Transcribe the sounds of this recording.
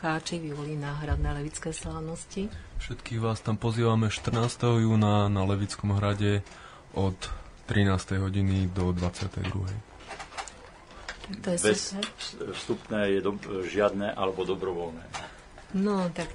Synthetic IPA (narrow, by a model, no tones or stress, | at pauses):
aːt͡ʃiʋiʋɔlinaːɦɾad̪nɛːlɛʋit͡skɛːslaʋnɔscifʃɛt̪kiːɣʋaːst̪ampɔziːʋamɛʃt̪r̩naːst̪ɛɦɔjuːnanalɛʋit͡skɔmɦɾaɟɛ | ʔɔt̪ːɾinaːst̪ɛjɦɔɟinid̪ɔd̪ʋat͡sɪat̪ɛ̰jd̪ɾṵɦɛj | t̪at̪ɔjɛbɛs | fst̪upnɛːjɛd̪ɔʒɪad̪nɛʔa̰lɛbɔd̪ɔbɾɔʋɔlnɛː | nɔt̪ak